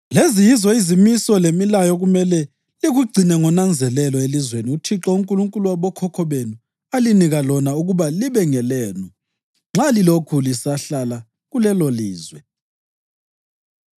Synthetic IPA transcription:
lezijizɔizimisɔlemilajɔɣumɛlɛ | liɣuɡ͡ǀʱinɛŋɔnand͡zʱɛlɛlɔelizweniutʰiǁɔuŋkʼuluŋkʼuluwaβɔkʰɔkʰɔβenu | aliniɣalɔnauɣuβaliβɛŋɛlɛːnu | ŋ͡ǁalilokʰulisaɬala | ɣulɛloliːzwɛ

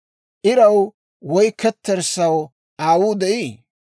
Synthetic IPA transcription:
ʔɪɾɐw | wɔjkɛt̪ːɛɾsɐw | ʔaːwuːd̪ɛʔiː

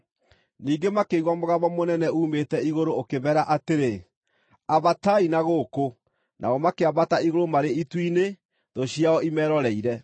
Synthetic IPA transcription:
niːŋɡemakeiɣwamoɣaβɔmonɛnɛuːmetɛiɣoɾoːkeβɛɾaʔateɾe | aβatainaɣoko | nʔa̰ɔmakeaβataiɣoɾomaɾeitwine | ðoɕiaɔimɛːɾɔɾɛiɾɛ

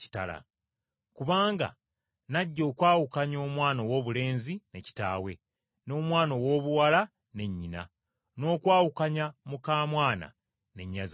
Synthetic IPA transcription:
i̥ta̰la̰ | kuβaːŋɡa̰ | naɟːo̞ːkwaːwukaɲo̞ːmwaːno̞wo̞ːβule̞ːnzine̞ci̥ta̰ːwe̞ | no̞ːmwaːno̞wo̞ːβuwala | ne̞ɲːina̰ | no̞ːkwaːwukaɲamukaːmwaːna̰ | ne̞ɲːaz

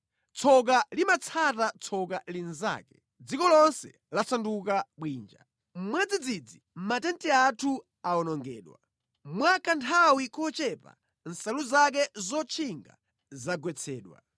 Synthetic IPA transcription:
t͡sʰɔk̬alimat͡sʰatat͡sʰɔkalinza̰ːkɛ | d͡zikɔlɔnsɛ | lasandukaɓwiːnd͡ʒa̰ | m̩mwɛd͡zid͡zid͡zim̩matɛntiatʰu | aɔnɔŋɡɛːɗwa̰ | mwakantʰawikɔt͡ʃɛpa̰ | n̩saluzak̬ɛzɔt͡ʃʰiŋɡa̰ | zaɡwɛt͡sʰɛːɗwa̰

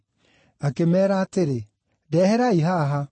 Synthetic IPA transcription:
akemɛːɾaːteɾe | dɛːhɛɾaiɦaɦa

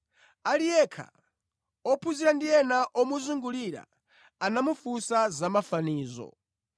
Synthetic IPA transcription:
alijɛkʰa̰ | ɔpʰuziɾandijɛnaʔɔmuzuŋɡuliɾa̰ | anamufusazamafaniːzɔ̰

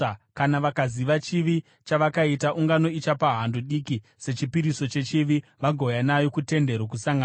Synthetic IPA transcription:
kanaʋakaziʋat͡ʃiʋi | t͡ʃaʋakaitaʔuŋɡano̞it͡ʃapaɦanduɗiki | se̞t͡ʃipiɾiso̞t͡ʃe̞t͡ʃiʋiʋaɡʱo̞janajo̞kute̞nde̞ɾwokusaŋɡa

